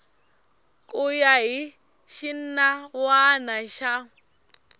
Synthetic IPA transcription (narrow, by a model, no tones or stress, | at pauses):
kʼʊjaɦi | ʃin̩nawanaʃa